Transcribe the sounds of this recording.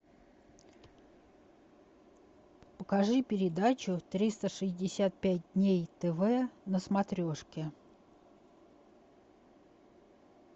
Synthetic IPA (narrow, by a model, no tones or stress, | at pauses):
pəkɐʐɨpʲɪɾʲɪd̪at͡ɕʊt̪ɾʲist̪əʂɨzʲdʲɪsʲat̪̚pʲæt̚ʲd̪ʲnʲejt̪ɛvɛnəsmɐt̪ɾʲoʂkʲɪ